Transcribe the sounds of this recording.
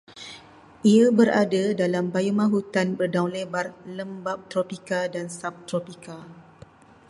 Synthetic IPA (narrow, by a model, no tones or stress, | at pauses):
ʔiabəɾadadalambajumãɦut̪anbərdawlebarləmbap̚t̪ɾopikadansap̚t̪ɾopika